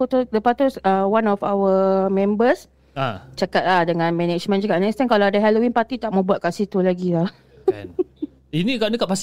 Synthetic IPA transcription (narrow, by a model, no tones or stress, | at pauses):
ut̪udəpat̪usawanɔfa̰wəmɛ̃mbəs | at͡ʃakat̪̚lahdəŋãnmɛnɛt͡ʃmə̃nt͡ʃakat̚nɛst̪ɛnkalawadaɦɛlowinpat̪it̪aʔ̚mobuat̪̚kaʔsit̪ulaɡilah | inĩkanəkaʔpas